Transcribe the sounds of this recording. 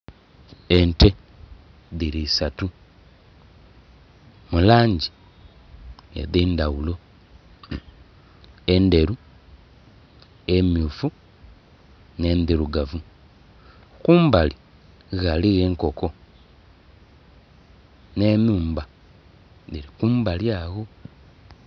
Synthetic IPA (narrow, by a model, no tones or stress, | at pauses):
e̞nte | ðiɾisatu | mulaːɲɟi | ḛðiːndawulo̞ | ende̞ɾu | emjuːfu | nendiɾuɡavu | kuːmbali | ɣaliɣeŋko̞ko̞ | nemuːmba | ðiɾikuːmbaljaːɣo